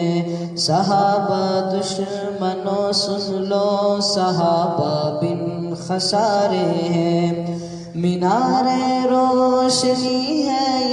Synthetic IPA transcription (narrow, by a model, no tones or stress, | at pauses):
sɐɦaːbad̪ʊʃ | mɐnoːsʊnloːsɐɦaːbabɪn | xɐsaːɾeɦɛ̃ː | mɪnaːɾeɾoːʃɐniːɦɛː